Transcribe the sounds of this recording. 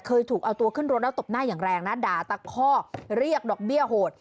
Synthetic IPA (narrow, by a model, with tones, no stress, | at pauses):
kʰɤː˧jt̪ʰuː˨˩k̚ʔa˧wt̪u˧ɐkʰɯ˥˩nɾo˦˥t̪̚ʔa˦˥t̪o˨˩p̚naː˥˩jaː˨˩ŋɾɛː˧ŋna˦˥daː˨˧t̪a˧˩kʰɔː˥˩ɾi˥˩ək̚dɔː˨˩k̚bi˥˩əhoː˨˩t̪̚